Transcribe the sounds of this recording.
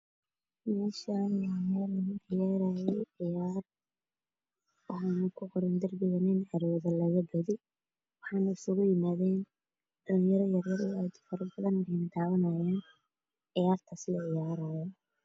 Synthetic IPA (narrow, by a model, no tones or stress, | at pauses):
mɛːʃɐwaːmɛːlɐɣʊɪjaːɾajɛjʕɪjaːr | ħanʊkʰʊqɔɾɪnd̪ɐrbɪɣɐnɪnʕɐɾɔːðɐlɐɣɐbɐðɪ | wɑħɑːnɐɪsʊɣʊjɪmaːðɛːn | d̥ɐlɪŋjɐɾɔjɐrjɐrɔajd̪ʊfɐɾɐbɐðɐnɛnd̪aːwɐnɐjaːn | ʕɪjaːrt̪ʰɐsɪlʕɪjaːɾajɔ